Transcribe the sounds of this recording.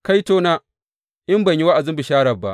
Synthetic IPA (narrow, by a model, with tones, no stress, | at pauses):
ka˦jtoː˦naː˦ | ʔɪ˦mbɐ˨ɲji˦wa˦ʔa˨zɪ˦mbɪ˨ʃaː˦ɽɐ˨bːa˨ʔ